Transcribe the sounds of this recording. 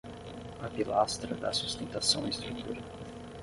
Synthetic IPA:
ɐpilast̪ɾɐd̪ɐ̰sust̪ẽnt̪asɐ̃w̃iist̪ɾut̪ʰṵɾɐ

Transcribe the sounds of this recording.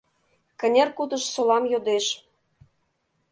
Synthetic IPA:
kə̆nʲerkut̪ə̆ʃsolɑmjod̪eʃ

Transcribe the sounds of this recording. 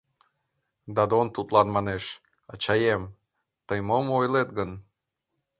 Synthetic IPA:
d̪ɑd̪ont̪ut̪lɑnmɑneʃ | ɑt͡ɕɑjem | t̪əjmomojlet̪̚ɡən

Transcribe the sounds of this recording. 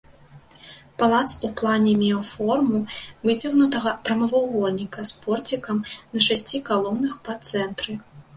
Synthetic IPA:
palˠat̪suplˠanʲɛmʲɛɔfɔrmuvɨd͡zʲɐɣnut̪ɐɣɐpɾɐmɐvawɣɔlʲnʲikɐspɔrt͡sʲikɐmnɐʂasʲt͡sʲikalˠɔwnɨxpɐt̪sɛnt̪ɾɨ

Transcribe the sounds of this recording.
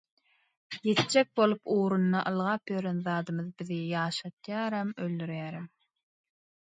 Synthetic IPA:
je̞t̪d͡ʒek̚bo̞lˠupuːɾunːɑʔɯlˠʁɑːpjøɾenðɑːd̪ɯmɯðbiðijɑːʃɑt̪jɑːɾɑmøld̪yɾjæːɾæm

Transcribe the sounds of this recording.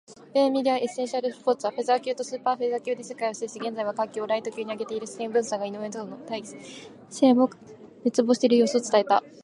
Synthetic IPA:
bẽmʲiɾʲiaʔesẽ̞ɰ̃ɕaɾɯspo̞ːt͡sɨβaɸe̞zakʲɨːt̪o̞sɨːpaːɸezakʲɨːd̪e̞se̥kajoɕid̪eɕiɡẽ̞nd͡zaiβakãŋkʲoːɾait̪o̞kʲɨːɲ̟iaɡe̞t̪eiɾɯ̟si̥kẽmbɯ̟̃ɰ̃saŋɡaino̞ent̪oonot̪ai | seo | net͡sɨbo̞ːɕi̥t̪e̞ɾɯjo̞ːsɨot͡sɨ̥t̪ae̞t̪a

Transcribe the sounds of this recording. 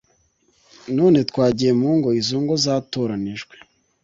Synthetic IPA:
noːne̞tkwaːɟijemuːŋɡo̞izuːŋɡo̞zaːtoɾaniʒɡwe̥

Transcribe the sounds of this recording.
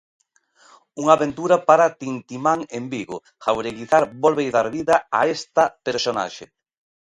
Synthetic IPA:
uŋaβent̪uɾapaɾat̪int̪imaŋembiɣo | xawɾeɣiθaɾbolβejðaɾβiðɐa̰est̪ɐpeɾsona̰ʃe

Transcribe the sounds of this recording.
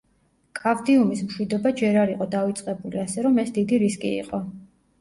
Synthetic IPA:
kʼavd̪iumismʃwid̪ɔbad͡ʒɛɾaɾiqʼɔd̪avit̪sʼqʼɛbuliasɛɾɔmɛsd̪id̪iɾiskʼḭḭqʼɔ

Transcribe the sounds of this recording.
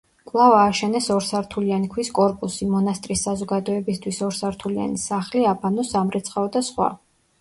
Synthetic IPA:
kʼlˠavaːʃɛnɛsɔɾsaɾt̪ʰulianikʰwiskʼɔɾpʼusimɔnast̪ʼɾisːazɔɡad̪ɔɛbist̪ʰwisɔɾsaɾt̪ʰulia̰nisaχliabʰanɔsamɾɛt̪sʰχaɔd̪asχwa̰

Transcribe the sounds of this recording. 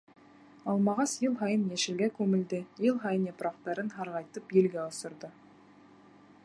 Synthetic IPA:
ɑlˠmɑʁɑsjəlˠɦɑjənjeʃɪ̆ɡʲekʲʰɵmɪ̆ld̪ɪjəlˠɦɑjənjepɾɑqt̪ɑɾɪnɦɑɾʁɑjt̪əpjelɡʲeʊ̆sə̆ɾd̪ə

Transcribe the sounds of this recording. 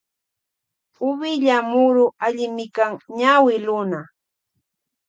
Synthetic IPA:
ʊβɪʎamʊɾʊʔaʎɪmɪkaŋɲawɪlʊna

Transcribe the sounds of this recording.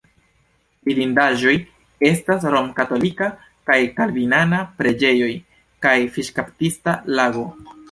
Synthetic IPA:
biɾindaʒo̞j | e̞stasɾo̞mkato̞lika | kajkalvinanapɾe̞d͡ʒe̞jo̞j | kajfiʃkaptistalaɡo̞

